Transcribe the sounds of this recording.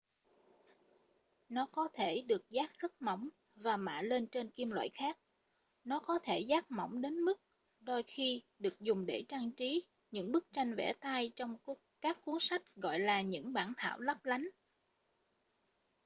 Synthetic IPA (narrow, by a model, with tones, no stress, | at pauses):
nɔ˨˦kɔ˨˦t̪ʰe˧˩ɗɨ˨˩ək̚zaː˦˥k̚zə˦˥t̚mɔ˧˩wŋ͡m | vaː˨˩ma̰ː˧˨le˧nt͡ɕe˧nki˧əmlwa̰ː˧˨jxaː˦˥k̚ | nɔ˨˦kɔ˨˦t̪ʰe˧˩zaː˦˥k̚mɔ̰˧˩wŋ͡mɗe˨˦nmɨ˦˥k̚ | ɗo˧jxi˧ɗɨ˨˩ək̚zʊ˨˩ŋ͡mɗe˧˩t͡ɕaː˧ŋt͡ɕi˨˦ | ɲɨ̰˧˥ŋɓɨ˦˥k̚t͡ɕa˧jŋ̟vɛ̰˧˩t̪a˧jt͡ɕɔ˧wŋ͡m | kaː˦˥kːu˨˦əŋsa˦˥jk̟̚ɣɔ̰˧˨jlaː˨˩ɲɨ̰˧˥ŋɓaː˧˩nt̪ʰa̰ː˧˩˨wlə˦˥p̚la˨˦jŋ̟